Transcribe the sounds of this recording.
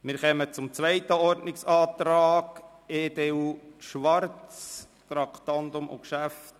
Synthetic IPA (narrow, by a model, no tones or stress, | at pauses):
mɪɾχɛmət͡sʊmt͡sʋɛjt̪əɔɾdnɪksɑːt̪ɾɑːɡ̥ | eːdeʃʋɑrt͡s | t̪ɾɑkt̪ɑnt̪ʊmʔʊ̰kʃæft